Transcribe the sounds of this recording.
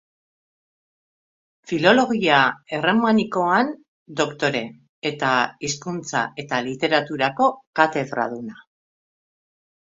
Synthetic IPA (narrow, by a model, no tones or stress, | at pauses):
filo̞lo̞ɣiae̞re̞maniko̞an | d̪o̞kt̪o̞ɾe̞ː | t̪aiskunt͡sa̰ʔe̞t̪alit̪e̞ɾat̪uɾako̞kat̪e̞ðɾa̰ðuna